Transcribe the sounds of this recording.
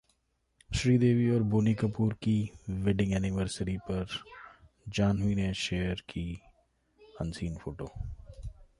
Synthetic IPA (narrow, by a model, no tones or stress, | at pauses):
ʃɾiːd̪eːʋiɔːɾboːnikəpuːɾkiʋɛɖɪ̃ŋɛːnɪʋəɾsəɾipɐɾ | d͡ʒaːnɦuineʃeːəɾki | ɐ̰nsiːnfʰoːʈoː